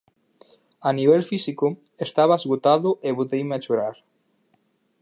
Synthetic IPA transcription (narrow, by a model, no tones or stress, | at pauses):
aniβ̞elfisiko | est̪aβaezɣot̪aðʊʔeβot̪ejmeat͡ʃoɾaɾ